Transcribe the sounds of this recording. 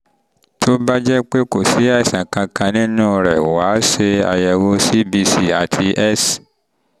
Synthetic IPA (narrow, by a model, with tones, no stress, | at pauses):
tʰo˦ba˦d͡ʒɛ˦k͡pe˦˨ko˨si˨˦ɛ˦˨sã˨kã˧kã˧nĩ˦nũ˦˧ɾɛ˨wa˨˦ʃe˧a̰˨jɛ˨wo˧si˦bi˧si˦a˨tʰi˧ʔɛ˦s